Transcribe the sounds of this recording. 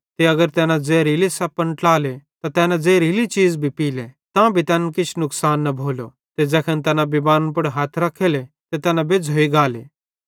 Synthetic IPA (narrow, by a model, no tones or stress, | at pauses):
t̪eɐɡəɾt̪ɛːnãd͡zeːɾilesɐpɐ̃ɳʈlaːlet̪at̪ɛːnãd͡zeːɾilit͡ʃiːd͡zbʱipiːlet̪ãbʱit̪ɛːnkɪt͡ʃʰnʊksaːnːɐbʱoːlo̰ | t̪ed͡ʒɛːkʰənt̪ɛːnãbibaːɾpʊɽɦaːt̪ʰɾɐkʰːeːle | t̪et̪ɛːnãbed͡zɦoːiɡaːlḛː